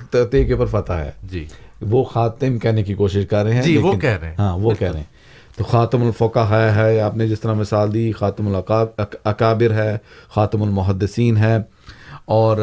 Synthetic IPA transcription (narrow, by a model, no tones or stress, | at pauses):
t̪t̪eːkepɐɾfɐt̪aɦɛ̰ːd͡ʒiːʋoːxaːt̪ɪmkɛɦnekikoːʃɪʃkɐɾːɦeɦɛ̃d͡ʒilːeːʋoɪnkɛɦɾẽɦãːʋokɛɾḛɛ̃ | t̪oːxaːt̪ɪmʊlfɔːkaɦaːjaɦɛːaːpnẽd͡ʒɪst̪əɾamɪsaːld̪iːxaːt̪ɪmʊlːɐkaːbɪɾɦɛːxaːt̪ɪmʊlmʊɦəd̪ːɪsiːnɦɛː | ɔːɾ